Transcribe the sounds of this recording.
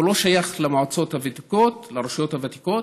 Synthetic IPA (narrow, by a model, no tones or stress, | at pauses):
ulo̞ʃajaχlemaʕot͡so̞thavat̪iko̞tlaɾoʃijo̞thavat̪i̥ko̞t